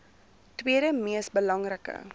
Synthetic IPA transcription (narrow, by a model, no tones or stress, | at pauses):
twiəɾəmiəsbəlɐŋrəkə̰